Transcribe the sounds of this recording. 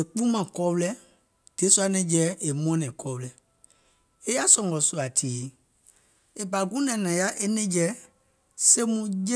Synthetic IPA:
e˨k͡pũ˦mã˨kɔː˦wlɛ˦ | d̥e˨˦su˦a˧˦nɛ̃˦d͡ʒɛ˨˦e˨mɔ̃˨˦nɛ̃˨kɔː˨˦wlɛ˨˦ | e˦ja˦sɔ̃˨ŋɡɔ˨su˦a˨tʰiː˨˦ | e˨ba˨ɡũ˦nɛ̃˨nã˨ja˦ʔe˦nɛ̃˦d͡ʒɛ˨˦ | se˦mũ˧je˦

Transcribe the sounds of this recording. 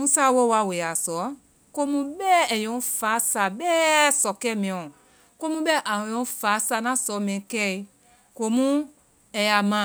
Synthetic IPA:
ũ˦sa˦˨wɔ˦˨wa˧˨we˨a˨sɔ˨˦ | ko˧mũ˧bɛː˦ɛ˨jo˨˦ũ˦fa˨˦sa˧˨bɛː˦sɔ˨kɛ˦mĩ˨ɔ̃˨ | ko˦mũ˦bɛ˦ʔa˨o˨˧˦ũ˦fa˨˦sa˧˨nã˦sɔ˨˦mɛ̃˨kɛ˦i˧ | ko˧mũ˦ | ɛ˨ja˨mã˨˧˨

